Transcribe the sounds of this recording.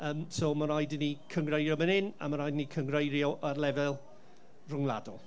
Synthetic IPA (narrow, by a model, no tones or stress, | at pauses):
əːmsɔmaɾajdɪnikʰəŋɡrejrjɔmənɪna̰maɾajdnikʰəŋrejɾjɔʔarlɛvɛlˠ | rʊŋlˠa̰dɔ̰lˠ